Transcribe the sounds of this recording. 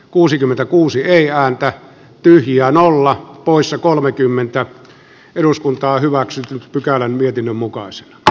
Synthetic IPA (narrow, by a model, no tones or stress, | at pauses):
kuːsikymːent̪ækuːsieˑiæːnt̪æ | t̪yhjæːnolːɑpoˑisːɑkolmekymːent̪æ | eɾuskunt̪ɑːhyʋæksyt̪pykælænmiet̪inːømmukɑˑise̥nɑ̥